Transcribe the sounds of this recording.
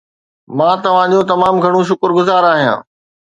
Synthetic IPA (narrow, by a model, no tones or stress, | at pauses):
mãːt̪ɐʋ̤ãd͡ʑõːt̪ɐmaːmɡʱɐɽ̃õʃ̬ʊkəɾɡʊzaːɾaːɦijã̰ː